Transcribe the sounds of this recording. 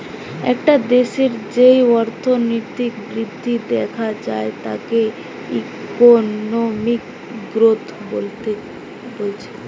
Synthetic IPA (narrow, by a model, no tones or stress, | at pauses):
ɛ̰kʈad̪eʃeɾd͡ʑejɔɾt̪ʰonot̪ikbɾid̪ʱːid̪ɛkʰad͡ʑaet̪a̰ke | ikonomik | ɡɾot̪ʰbolt̪ | bolt͡ɕʰe̥